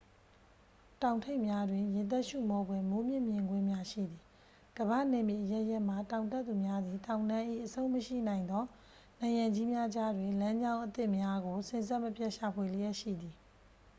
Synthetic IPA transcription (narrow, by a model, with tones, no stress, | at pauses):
tã˨ʊ̃ntʰe˦ɪʔmja˦dwɪ̃˨jɪ̃˨t̪̬ɛ˦ʔʃṵ˦˨mɔ˨bwɛ̃˦˨mo˦mjɪ̰̃˦˨mjɪ̃˨ŋɡwɪ̃˦mja˦ʃḭ˦˨d̪ði˨ | ɡ̥əβä̰˦˨ne˨mje˨ʔəjɛ˦ʔjɛ˦ʔm̥a˨tã˨ʊ̃ntɛ˦t̪ːu˨mja˦d̪ði˨tã˨ʊ̃nã˦ʔḭ˦˨ʔəsʰõ˦ʊ̃məʃḭ˦˨nã˨ɪ̃nd̪ɔ˦ | nã˨jã˨ɲd͡ʑi˦mja˦d͡ʑa˦dwɪ̃˨lã˦ɲd͡ʑã˦ʊ̃ʔət̪ɪ˦ʔmja˦ɡo˨sɪ̃˦˨nzɛ˦˨məpjɛ˦˨ʔʃa˨pʰwe˨lə˦jɛ˦ʔʃḭ˦˨d̪ði˨